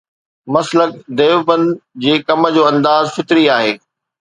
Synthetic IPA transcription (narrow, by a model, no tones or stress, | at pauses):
mɐslək̚d̪eːʋbə̃nd͡ʑeːkɐmə̆d͡ʑoːɐ̃nd̪aːzfɪt̪ɾiaːɦeː